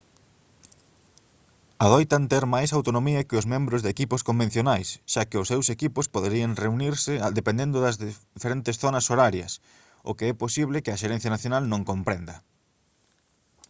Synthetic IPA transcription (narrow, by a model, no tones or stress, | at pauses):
aðojt̪ant̪ɛɾmajsawt̪onõmiɐkɪʊzmẽmbɾʊzðekipʊskombẽn̟θjonajsʃakɪʊsːewsekipʊspoðeɾiɐŋreuniɾsɪd̪epẽnd̪ẽnd̪ʊðɐzðfeɾent̪ɪsθonɐsoɾaɾjɐ̰s | ʊ̰keɛposiβlɪkɪɐʃeɾɛ̃n̟θjanaθjonalnõŋkompɾend̪ɐ